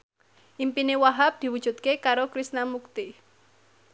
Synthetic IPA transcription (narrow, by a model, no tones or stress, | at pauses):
ʔimpinewaɦap̚d̪̥i̤wu̥ʒ̥ṳt̪̚kekaɾokɾisnamuk̚t̪i